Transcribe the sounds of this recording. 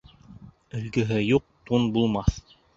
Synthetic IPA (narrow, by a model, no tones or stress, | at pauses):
ɵ̆lɡɘ̆ɦɘjuq̚t̪unbulˠmɑθ